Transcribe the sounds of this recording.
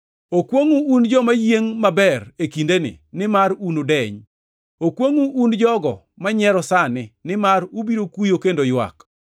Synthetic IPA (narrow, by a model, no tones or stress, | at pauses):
okwoŋuːnd͡ʒɔmajeŋmabɛrekindenɪ̰nɪmaɾunodɛɲ | okwoŋuʔːnd͡ʒɔɡɔ̰ | maɲɛɾɔsanɪnɪmaɾubiɾokujokendojwa̰k